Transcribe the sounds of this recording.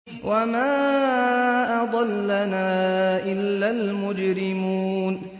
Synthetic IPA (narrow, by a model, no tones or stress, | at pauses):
wʔamaː | ʔɑd̪ˤɑlːanaːʔɪlːalmʊd͡ʒɾɪmuːn